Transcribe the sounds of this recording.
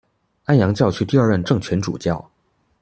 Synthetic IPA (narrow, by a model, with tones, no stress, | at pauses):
a˥njɑ˧˥ŋt͡ɕjɑ˥˧ʊt͡ɕʰy˥˧t̪i˥˧ɐ˞˥˧ɻə˥˧nʈ͡ʂɤ˥˩ŋt͡ɕʰɥɛ˧˥nʈ͡ʂṵ˨˩t͡ɕjɑ˥˩ʊ